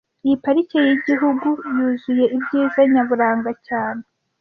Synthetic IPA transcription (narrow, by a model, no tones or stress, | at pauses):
ijipaɾicejiɟiɦuɡujuːzuje̞ibɟiːzaɲaβuɾaːŋɡacaːne